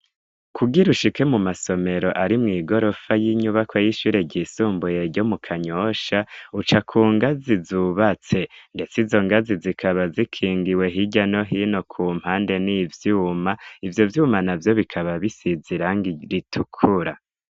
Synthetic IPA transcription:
kʰuɡiɾuʃikemumaso̞me̞ɾo̞ʔaɾimŋiːɡo̞ɾo̞fajiɲuβakwajiʃuːɾeɟisuːmbujeɾɟo̞mukʰaɲoʃaut͡ʃakʰuːŋɡazizuβat͡se̞nde̞t͡sizo̞ŋɡazizikʰaβazikʰiːŋɡiwe̞ɦiɟano̞ɦino̞kʰuːm̥haːnde̞nivjuːmaivjo̞vjuːmanavjo̞βikʰaβaβisiziɾaŋɡiɾitʰukʰuɾa

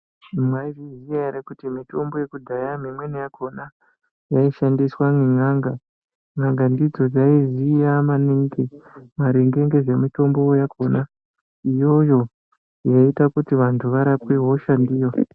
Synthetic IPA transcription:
mwaiviziaɾekutimito̞mbo̞je̞kudʱajamimwenejakʰo̞na | jaiʃandiswaŋiŋaŋɡa | ŋaŋɡandid͡zo̞d͡zaizijamaniŋɡemaɾeŋɡe̞ŋɡe̞ʐe̞mito̞mbo̞ːjakʰona | ijo̞jo̞ | jaitakutiʋantʰuʋaɾapweɦo̞ʃandiːra

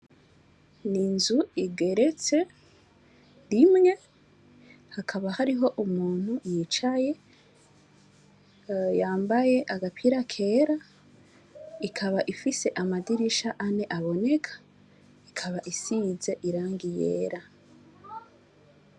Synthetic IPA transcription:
ninzuiɡe̞ɾe̞t͡se̞ | ɾimŋe̞ | hakʰaβahaɾiɦo̞ʔumuːn̥hujiːt͡ʃaje̞ | jaːmbaje̞ʔaɡapʰiɾakʰe̞ːɾa | ikʰaβaʔifise̞ʔamadiɾiʃaʔane̞ʔaβo̞ne̞kʰḁ | ikʰaβaʔisize̞ʔiɾaːŋɡijḛːɾa

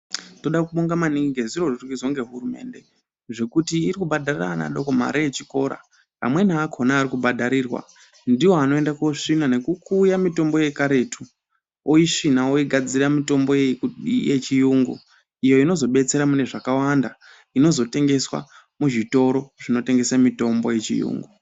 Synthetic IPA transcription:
to̞ɗakuɓoŋɡamaniɡiɡeziro̞rorɡizo̞ŋɡe̞ɦurume̞̰nde̞ | ʐe̞kutiːɾikubadarira̰na̰ɗo̞koma̰ɾajet͡ʃi̥ko̞ɾa̰ | pa̰mwe̞naːkʰo̞naːɾikubʱadʱaɾiːrwa̰ | ndiwo̞ano̞endakoʂinane̞kukuːjamito̞mbo̞je̞kaɾe̞tʰu | oiʂinaoiɡʱad͡ziramito̞mbo̞je̞ikuɗije̞t͡ʃijuŋɡṵ | ijo̞ino̞zo̞ɓe̞t͡se̞ɾamune̞ʐakawanda | ino̞zo̞te̞ŋɡe̞swa̰ | muʐito̞ɾo̞ʐ̥ino̞te̞ŋɡe̞samito̞mbo̞je̞t͡ʃḭjṵːŋɡu

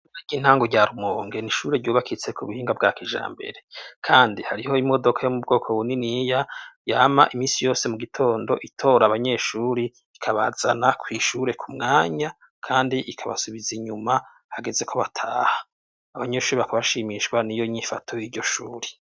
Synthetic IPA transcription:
aɟiːn̥haːŋɡoɟaːɾumoːŋɡe̞niʃuːɾeɾɟuːβakʰit͡se̞kʰuβuhiːŋɡab̚ɡaːkiʒa̰ːmbe̞̰ɾe̞kʰaːndihaɾiho̞imo̞do̞kʰajo̞mub̚ɡo̞ːkʰoβuninijajaːma̰ʔimiːsijo̞ːse̞muɡitʰo̞ːndo̞̰ʔitʰo̞ːɾaːβaɲe̞ʃuːɾi | ikʰaβa̰za̰nakwiːʃuːɾe̞kumŋaːɲa | kʰaːndiʔikʰaβa̰suβiziɲuma | haɡe̞ze̞kʰo̞βatʰaːha | aβaɲe̞ʃuːɾiβakaβaʃiːmiʃkwanijo̞iɲifatʰo̞jiːɾɟo̞ʃuːɾe

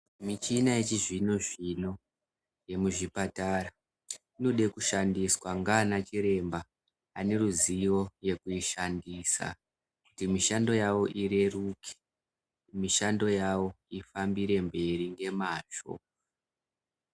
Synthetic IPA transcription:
mit͡ʃinaet͡ʃiʐino̞ʐino̞ | je̞muʐipatara | ino̞ɗe̞kuʃandiswaŋɡaːnat͡ʃiɾe̞mbaː | ne̞ruziʋo̞je̞kuiʃandiːsa̰ | kutimiʃando̞jawo̞ʔire̞rukʰe̥ | miʃando̞jawo̞ | ifambiɾe̞mbe̞ɾiŋɡe̞maːt͡ʃo̞̰

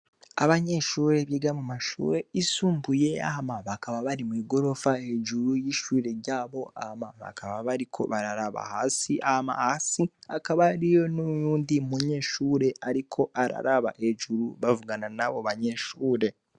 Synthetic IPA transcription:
a̰βaɲe̞ʃuːɾe̞βjiːɡamumaʃṵːɾe̞isuːmbuje̞a̰hamaβakaβaβaɾimuiɡo̞ɾo̞faed͡ʒuɾujiːʃuːɾe̞ɾɟaːβo̞a̰hamaβa̰kaβaβaɾikʰo̞̰βaɾaɾaβa̰hasiʔahma̰hasiakaβaɾijo̞noujuːndimuɲe̞ːʃuːɾe̞aɾikʰo̞ʔaɾa̰ɾaβa̰ʔeʒuɾuβavuɡananaβo̞βaɲeʃuːɾe̞

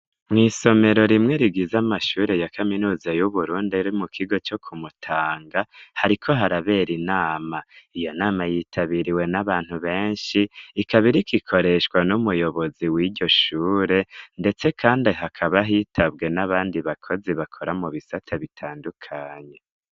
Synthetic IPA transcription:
mŋiːso̞me̞ɾo̞ɾimŋe̞ɾiɡizamaʃuːɾe̞jakʰaminuːzajuβuɾuːndiɾimukʰiɡo̞t͡ʃo̞kʰumutʰaːŋɡahaɾikʰo̞ɦaɾaβe̞ːɾinaːmaijo̞naːmajitʰaβiɾiwe̞naβaːn̥huβe̞ːnʃiːkʰaβiɾikʰikʰo̞ɾe̞ʃkwanumujo̞βo̞ziwiːɟo̞ʃuːɾe̞nde̞t͡se̞kʰaːndiɦakʰaβaɦiːtʰabɡe̞naβaːndiβakʰo̞ziβakʰo̞ɾamuβisatʰaβitʰaːndukʰaːɲe̞

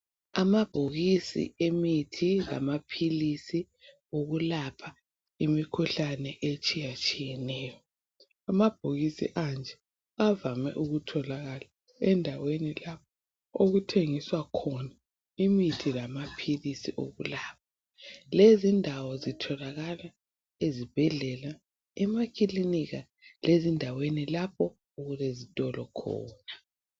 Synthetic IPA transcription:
amab̥ʱoɣisḭemitʰila̰mapʰilisi | oɣulapʰa | imikʰuɬanɛʔet͡ʃʼijat͡ʃʼijɛnɛːjɔ | amab̥ʱoɣisḭʔand͡ʒʱɛ | avamɛ̰ʔuɣutʰɔlaɣala | ɛndʱawenilap̚ʰɔ | oɣutʰeŋiswakʰɔna | imitʰilamapʰilisiʔo̰ɣulaːp̚ʰḁ | lezindʱawɔzitʰɔlaɣala | ezib̥ʱɛɮɛla | ɛmakʰiliniɣa | lʔezindʱawenilap̚ʰɔ | uɣulezitʼɔlɔkʰɔ̰ːna

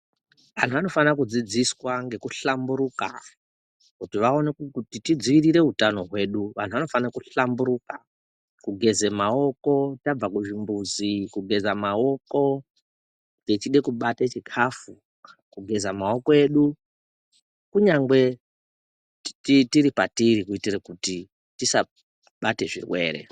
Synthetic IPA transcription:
ʋan̤uʋano̞fanakud͡zid͡ziswaŋɡe̞kuɬambuɾuka̰ | kutiʋao̞nekutitid͡ziʋiriɾe̞ɦutano̞ɦwe̞ɗuʋan̤uʋano̞fankuɬambuɾuːka | kuɡʱe̞ze̞mao̞ko̞tab͡vakuʒimbuzikuɡʱe̞zamao̞ko̞ | tet͡ʃiɗe̞kuɓatet͡ʃikʰafu | kuɡʱe̞zamao̞ko̞e̞ːɗu | kuɲaŋɡwe̞ | titiɾipatiɾikuitirekuti | tisa | ɓate̞ʐḭrwe̞̰ːɾe̞̰

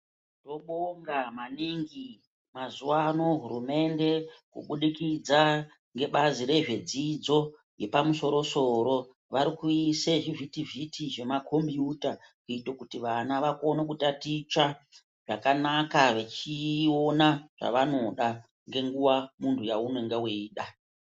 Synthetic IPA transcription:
to̞ɓoŋɡamaniŋɡi | mazuwano̞ɦurume̞nde̞kṵɓuɗikid͡za | ŋɡe̞ɓaziɾe̞ʐe̞d͡zid͡zo̞ | je̞pamuso̞ɾo̞so̞ɾo̞ | ʋaɾikuiseʐivʱitivitʰiʐe̞makʰo̞mbjuta | kuitokutiʋanaʋako̞nak̬utatit͡ʃa | ʐ̥akanakaʋet͡ʃio̞naʐ̥a̰ʋano̞ɗa | ŋɡe̞ŋɡuwamuntʰujaune̞ŋɡewiiːɗa

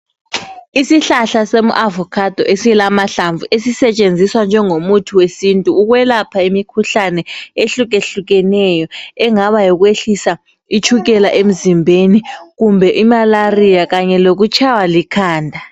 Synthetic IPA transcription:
isiɬaɬasemṵʔavɔkʰad̥ʱɔʔesiɛlamaɬaɱvuʔesisɛt͡ʃʼend͡zʱiswand͡ʒʱɛŋomutʰuwesintʼuːɣwɛlapʰaimikʰuɬanɛeɬuɣeɬuɣɛnɛjɔɛŋaβajɔɣweɬisa | it͡ʃʰuɣɛlaʔem̩zimbʱeniɣumbʱɛʔimalarijaɣaɲɛloɣut͡ʃʰawalikʰaːndʱa

